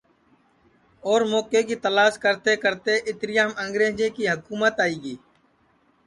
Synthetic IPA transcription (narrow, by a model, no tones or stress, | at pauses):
ɔːɾmɔːkekit̪əlaːʃkəɾt̪ekəɾt̪eʔɪt̪ɾɪjamə̃ŋɡɾeːd͡ʒẽkiɦəkuːmət̪aːiːɡiː